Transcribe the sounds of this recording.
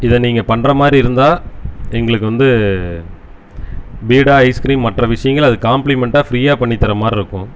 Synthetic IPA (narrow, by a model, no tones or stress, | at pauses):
ɪðɐ̃niːŋɡɐpɐɳːrɐmaːd̪ɾiɪɾɯnd̪aːɛŋɡɐɭɯkːɯʋɐnd̪ɯ | biːɽaːɐɪskɾiːmmɐʈrɐʋɪʂɐjɐŋɡɐɭɐðɯkaːmplɪmɛɳʈaːfɪɾiːjaːpɐɳːɪt̪ːɐɾɐmaːd̪ɾɪɾɯkːʊ̃